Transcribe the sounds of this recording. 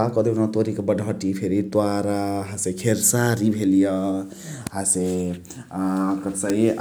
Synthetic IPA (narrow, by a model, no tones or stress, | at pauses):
akɔd̪inat̪oɾikebəɖʱʌʈipʰeɾit̪waɾaɦãsekʰeɾsaɾibʱelijʌ | ɦãse | kət̪sai